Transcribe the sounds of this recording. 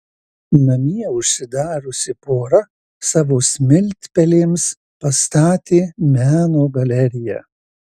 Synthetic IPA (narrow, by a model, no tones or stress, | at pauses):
nɐmʲiɛʊʃʲsʲɪd̪ɑːɾʊsʲɪpoːɾɐ | sɑːʋoːsʲmʲɪlʲt̪ʲpʲɛlʲeːms | pɐst̪ɑːt̪ʲeːmʲæːnoːɡɐlʲɛɾʲɪjæ̰